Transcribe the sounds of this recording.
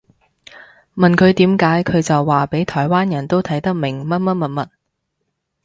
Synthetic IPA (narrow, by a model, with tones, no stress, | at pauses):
mɐ˨nkʰɵ˨˧ɥt̪iː˨˥mkaː˨˥jkʰɵ˨˧ɥt͡sɐ˨wːaː˨pe˨˥jt̪ʰɔː˨˩jwaː˥njɐ˨˩nt̪o˥wt̪ʰɐ˨˥jt̪ɐ˥k̚mɪ˨˩ŋmɐ˥t̚mɐ˥t̚mɐ˧˥t̚mɐ˥t̚